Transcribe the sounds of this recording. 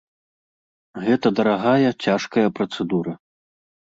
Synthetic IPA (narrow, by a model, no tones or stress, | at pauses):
ɣɛt̪ɐd̪ɐɾaɣajɐt͡sʲaʂkɐjɐpɾɐt̪sɛd̪uɾɐ